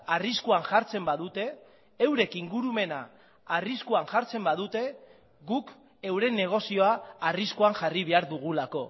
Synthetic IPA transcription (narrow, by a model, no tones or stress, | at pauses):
ariskuanʝaɾt͡se̞mbaðut̪e̞ː | wɾe̞kiŋɡuɾume̞na̰ː | riskuanʝaɾt͡se̞mbaðut̪e̞ | ɡuk | e̞wɾe̞ne̞ɣ̞o̞sio̞aːriskuaŋʝariβ̞e̞aɾðuɣ̞ulako̞